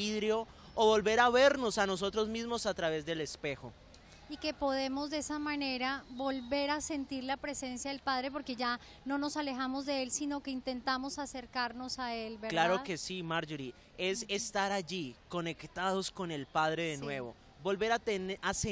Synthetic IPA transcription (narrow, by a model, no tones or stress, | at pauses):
iðɾeo̞ | oβo̞lbe̞ɾaβe̞ɾno̞sano̞s̬o̞t̪ɾo̞zmizmo̞sat̪ɾaβe̞zd̪e̞le̞spe̞xo | ike̞po̞ðe̞mo̞zd̪eesamane̞ɾabo̞lβe̞ɾase̞nt̪iɾlapɾe̞se̞nsjaðelpaðɾe̞p̬o̞ɾke̞ʝa | no̞no̞sale̞xamo̞zd̪e̞elsino̞ke̞int̪e̞nt̪amo̞sase̞ɾkaɾno̞saelbeɾklaɾoke̞simaɾd͡ʒuɾi | e̞se̞st̪aɾaʝiko̞ne̞kt̪aðo̞sko̞ne̞lpað̞ɾe̞ðenwe̞βo̞ | bo̞lbe̞ɾat̪enase